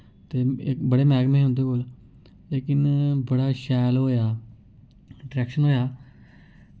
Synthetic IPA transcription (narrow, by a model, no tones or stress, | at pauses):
t̪eːɪkbəɽeːmɛːɡmẽːɦʊ̃nd̪eːkoːl | leːkɪnbəɽaːʃɛːlɦoːjaː | ɖɾɛːkʃənɦoːjaː